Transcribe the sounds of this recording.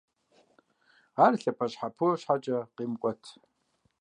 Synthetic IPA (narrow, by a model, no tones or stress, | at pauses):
arɬɐpʰaʃħapʰɨrʃħat͡ʃʼɐqimkʷʼɔtʰ